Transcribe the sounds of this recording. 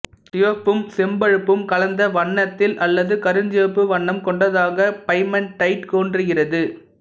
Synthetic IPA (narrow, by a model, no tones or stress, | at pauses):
tɪʋɐpːɯmsɛmbɐɻɯpːɯmkɐlɐnd̪ɐʋɐɳːɐt̪ːɪlʔɐlːɐðɯkɐɾɯnd͡ʒɪʋɐpːɯʋɐɳːɐmkɔɳɖɐðaːɣɐpɐɪmɐnʈɐɪʈkoːndrɯɣɪrɐðɯ